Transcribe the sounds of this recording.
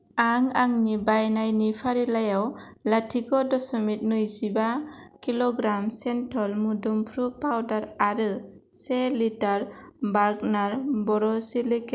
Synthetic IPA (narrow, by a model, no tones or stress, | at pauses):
aŋaŋnibajnajnipʰaɾilajawlatʰikɔdɔsɔmit̚nɯjzibakilɔɡɾamsɛntʰɔlmudɔmpʰɾupawdaɾaɾɯ | selitaɾ | baɡ̚naɾbɔɾɔsilik